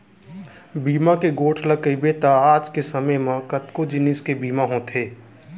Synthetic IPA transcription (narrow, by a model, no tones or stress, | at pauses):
biːmakeɡoːʈʰləkəibeːt̪aaːd͡ʒkesɐməjmãkət̪kod͡ʒɪnɪskebiːmaɦõt̪ʰeː